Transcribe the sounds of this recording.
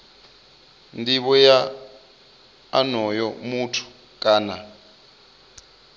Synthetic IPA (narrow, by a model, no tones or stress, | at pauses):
ndiɓɔja | nɔjɔmutʰu̥ | kʼaːna̰